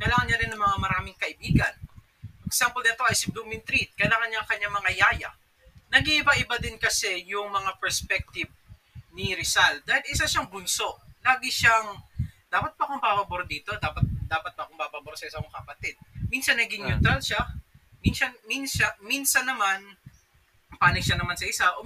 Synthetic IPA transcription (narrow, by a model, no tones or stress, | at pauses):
kɐjlaːŋɐnɲaɾɪnːɐŋmɐŋamɐɾaːmɪŋkɐʔɪbiːɡɐn | pɐksampolɛt̪oʔɐjsɪb̚lumɪnt̪ɾit̪̚kɐjlaːŋɐnɲaŋkɐɲaŋmɐmɐjaːjɐ̰ | nɐɡiʔɪbaʔɪbad̪ɪnkɐsɛjʊŋmɐŋapɛɹspɛk̚t̪iv | nɪɾɪsal̚d̪aːhɪlɪsaʃaŋbʊnso̞ʔlaːɡɪʃaŋd̪aːpɐt̪̚bɐkoŋbabɐboɾd̪iːt̪o̞d̪aːpɐt̪̚d̪aːpɐt̪̚pɐʔɐkoŋbaːbaboɾsɐʔɪsakoŋkɐpɐt̪ɛd̪̚minsɐnːɐɡɪŋjut̪ɾalʃaminsɐnminsɐnminsɐnːɐman | paːnɪɡʃɐnɐmansɐʔɪsaʔo